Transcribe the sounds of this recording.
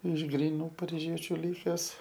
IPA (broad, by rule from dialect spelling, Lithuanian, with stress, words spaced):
ɪʃ ɡrʲiːˈnuː pɐrʲɪˈʒʲiɛt͡ʃʲʊ ˈlʲɪkʲɛs